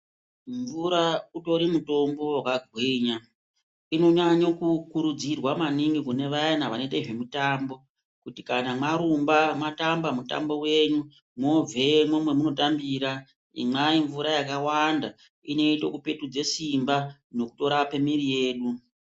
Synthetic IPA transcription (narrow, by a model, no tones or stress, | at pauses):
ɱvuɾauto̞ɾimuto̞mbo̞wakaɡʱwiːɲa | ino̞ɲaɲokukuɾud͡zirwamaniŋɡikune̞ʋaanaʋaneteʐe̞mutaːmbo̞ | kutikanamaɾumbamatambamuta̰mbo̞we̞ɲu | mo̞vʱe̞momwe̞muno̞tambiɾa | ḭmaiɱvuɾajakawanda | ine̞ito̞̰kupe̞tud͡ze̞simbano̞kuto̞ɾape̞mirije̞ːɗu